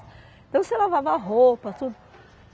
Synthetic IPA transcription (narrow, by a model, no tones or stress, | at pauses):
ẽt̪ɐ̃w̃selavavɐɦopɐt̪ud̪ʊ